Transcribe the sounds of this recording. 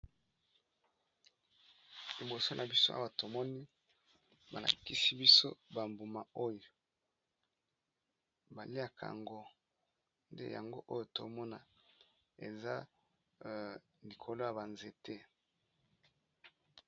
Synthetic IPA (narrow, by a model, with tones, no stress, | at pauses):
li˨bo˨so˦nʔa˨bi˦so˦ʔa̰˦wa˨to˨mɔ˦ni˦ | ba˨la̰˨ki˦si˦bi˦so˦ba˨mbu˨ma˨o˦jo˨ | ba˨li˦ja˨kʰa̰˨ŋɡo˦ | nde˦ja̰˨ŋɡo̰˦ʔo˦jo˨to˨˦mɔ˦na˨ | ḛ˨za˦ | li˨kʰo˨lo˦ja˨ba˨nze˨te˦